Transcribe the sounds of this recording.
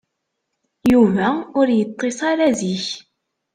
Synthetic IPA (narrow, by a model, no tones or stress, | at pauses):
juvæʊɾjət̪ˤːesˤɑɾæðiç